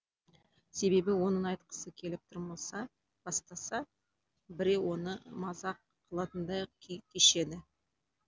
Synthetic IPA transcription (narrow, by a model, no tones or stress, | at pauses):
se̞be̞bɪwo̞nəɴɑjt̪qə̥səkʲʰe̞lɪp̚t̪ʰʊɾmɑsɑ | b̥ɑst̪ɑsɑ | bɪɾe̞wo̞nəmɑzɑqːʰəlˠɑt̪ənd̪ɑjkʲʰkʲʰeʃe̞d̪ɪ